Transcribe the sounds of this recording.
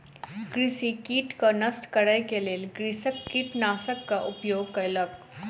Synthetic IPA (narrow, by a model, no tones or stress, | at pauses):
ɡɾɪsikiːʈkanɐsʈkɐɾəjkeleːlɡɾisəkːiːʈnaːsəkːaʔʊpjoːɡkɐlək